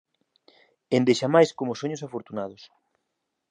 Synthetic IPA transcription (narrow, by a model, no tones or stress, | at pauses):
end̪eʃamajskomosoɲʊsafoɾt̪unað̞ʊs